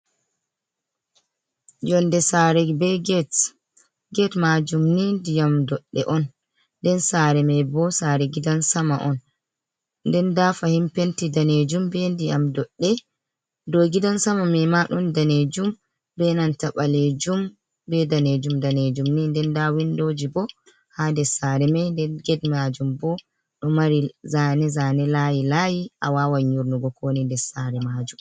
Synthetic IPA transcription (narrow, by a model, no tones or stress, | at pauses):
d͡ʒɔndɛsaɾɛbɛɡɛt | ɡɛtmad͡ʒumnindijamdɔɗːɛ̰ʔɔn | ndɛnsaɾɛmɛbɔsaɾɛɡidansamaʔɔn | ndɛndafahimpentidaned͡ʒumbɛndijamdɔɗːɛ | doɡidansamamɛmaɗɔndaned͡ʒum | bɛnantaɓaled͡ʒum | bɛdaned͡ʒumdaned͡ʒumnindɛndawindod͡ʒibɔ | handɛsaɾɛmɛndɛɡɛdmad͡ʒumbɔ | ɗɔmaɾizanɛzanɛlajilajiʔawawaɲːuɾnuɡɔkoːnindɛsaɾɛmad͡ʒum